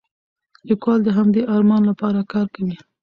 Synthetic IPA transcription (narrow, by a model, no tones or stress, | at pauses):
likwɑld̪əɦamd̪eʔɑɾmɑnlapɑɾakɑɾkawi